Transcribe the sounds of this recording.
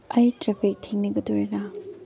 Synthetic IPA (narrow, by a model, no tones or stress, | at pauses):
ɐjtɾepʰik̚tʰeŋnɐɡɐdoɾinɐ